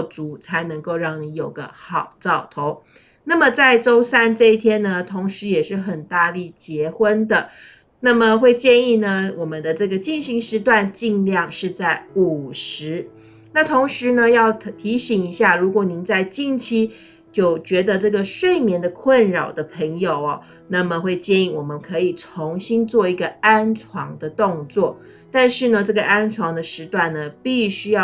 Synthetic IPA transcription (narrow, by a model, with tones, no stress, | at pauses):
t͡su˨˧˥t͡sʰa˧˥ɪnə˧˥ŋko˥˧ʊɻɑ˥˩ŋni˧˥jo˨˩ʊɡə̰˦xɑ˨˩ʊt͡sɑ˥˩ʊt̪ʰo˧˥ʊ | na˥˩mə˨t͡sa˥˩ɪʈ͡ʂo˥ʊsa˥nʈ͡ʂɤ˥˧i˥˩t̪ʰjɛ˥nnə˧t̪ʰʊ˧˥ŋʂɻ̩˧˥jɛ˨˩ʂɻ̩˥˩xə˨˩nt̪a˥˧li˥˩t͡ɕjɛ˧˥xwə˥nd̪ə˨ | na˥˩mə˨xwe˥˧ɪt͡ɕjɛ˥˧ni˥˩nə˩wɔ˨˩mə˨˦nd̪ə˦ʈ͡ʂɤ˥˩ɡə˩t͡ɕi˥˩nɕi˧˥ŋʂɻ̩˥t̪wa˥˧nt͡ɕi˥˧ŋljɑ˥˧ŋʂɻ̩˥˧t͡sa˥˩ɪu˨˩ʂɻ̩˧˥ | na˥˩t̪ʰo˧˥ŋʂɻ̩˧˥nə˧jɑ˥˩ʊt̪ʰi˧˥ɕi˨˩ŋi˧˥ɕja˥˩ɻu˧˥kwɔ˨˩ni˧˥nt͡sa˥˧ɪt͡ɕi˥˧ŋt͡ɕʰi˥ | t͡ɕjo˥˩ʊt͡ɕɥɛ˧˥d̪ə˧ʈ͡ʂɤ˥˩ɡə˩ʂwe˥˩ɪmjɛ˧˥nd̪ə˧kʰwə˥˩nɻɑ˨˩ʊd̪ə˦pʰə˧˥ŋjo˨˩ʊɐ˦ | na˥˩mə˩xwe˥˧ɪt͡ɕjɛ˥˧ni˥˩wɔ˨˩mə˦nkʰɤ˧˥i˨˩t͡sʰʊ˧˥ŋɕi˥nt͡swɔ˥˩i˧˥ɡə˧a˥nʈ͡ʂʰwɑ˧˥ŋd̪ə˧t̪ʊ˥˧ŋt͡swɔ˥˩ | t̪a˥˧nʂɻ̩˥˩nə˩ʈ͡ʂɤ˥˩ɡə˩ʔa˥nt͡sʰwɑ˧˥ŋd̪ə˧ʂɻ̩˧˥t̪wa˥˩nnə˩pi˥˩ɕy˥jɑ˥˩